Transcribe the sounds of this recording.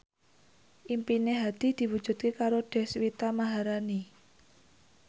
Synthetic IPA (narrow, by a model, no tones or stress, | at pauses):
ʔimpineɦad̪̥i̤d̪̥i̤wud̥ʒ̥ṳt̪̚kekaɾoɖ̥ɛ̤swit̪amaɦaɾani